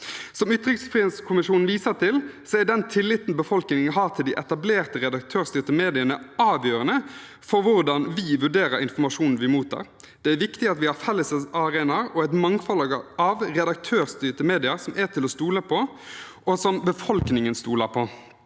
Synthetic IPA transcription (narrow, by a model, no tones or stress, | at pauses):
sɔmʉːt̪ɾɪksfʁɛnskʰʊmɪʃuːnn̩ʋiːsəʁt̪ʰɪlsɔæd̪ɛnt̪ʰɪlːɪt̪ːn̩bəfɔlknɪŋəɦɑːʁt̪ʰɪld̪ɪʔɛt̪ɑbleːʁt̪əɾɛd̪ɑk̚t̪ʰøːʁst̪yːʁt̪əmeːd̪ɪənəɑːʋjøːɾənə | fɔɾʋʊɾd̪ɑnʋɪʋʉɖeːɾəɾɪnfɔmɑʂuːnn̩ʋɪmuːt̪ʰɑ̰ɾ | d̪̥ɛæɾʋɪkt̪ɪɑt̪ʋɪhɑɾfɛlːəsəsɑʁeːnɑɾɔæɪt̪mɑŋfɔlɑɡəɑʋʁɛd̪ɑk̚t̪ʰøːʁst̪yːʁt̪əmeːd̪ɪɑɾsɔmʔæt̪ʰɪlɔst̪uːləpʰɔ | ʔɔsɔmbəfɔlknɪŋənst̪uːləɾpʰɔ